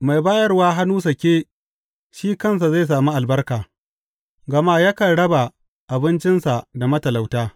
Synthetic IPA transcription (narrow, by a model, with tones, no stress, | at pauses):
ma˨jbaː˦jɐ˦rwaː˦ɦa˦nuː˦s̬ɐ˨kʲeː˦ | ʃiː˦kɐ˦ns̬a˨za˦˨js̬aː˨muː˦ʔa˨lbɐ˦rkaː˨ | ɡɐ˨maː˦ja˦kɐ˨ɽɐ˦ba˨ | ʔa˨bɪ˦nt͡ʃɪ˦nsa˨da˨mɐ˦tɐ˨la˨wtaː˦